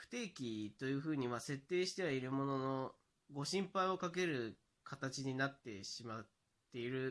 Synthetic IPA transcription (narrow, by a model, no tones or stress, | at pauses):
ɸɯ̥t̪e̞ːkʲit̪o̞jɯ̟ːɸɯ̟ːɲ̟iβase̞t̪ːe̞ːɕi̥t̪e̞βaiɾɯ̟mo̞no̞no̞ | ɡo̞ɕĩmpaio̞kak̬e̞ɾɯ̟ | kʰat̪at͡ɕiɲ̟inat̪ːe̞ɕimat̪ː | e̞iɾɯ̟